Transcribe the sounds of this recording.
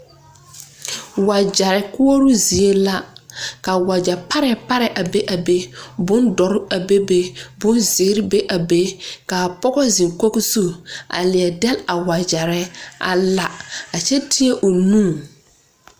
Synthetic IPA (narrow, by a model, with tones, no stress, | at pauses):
wa˨d͡ʒa˨ɾɪ˨kʊ˦o˦ɾʊ˦zi˨e˦la˦ka˨wa˨d͡ʒa˨pa˦ɾɛ˨pa˦ɾɛ˨ʔa˨be˦ʔa˨be˦bʊ˦ndɔ˨ɾa˨be˦be˦bʊ˦nzɪ˨˦ɾbe˦ʔa˨be˦ka˨pɔ˦ɡɔ˦zi˨ŋko˦kzu˦ʔa̰˨lɪ˨ɛ˨dɛ˦la˨wa˨d͡ʒa˨ɾɛ˦a̰˦la˦a˨t͡ʃɛ˦tʰɪ˦e˦ʔo˨nũː˦˨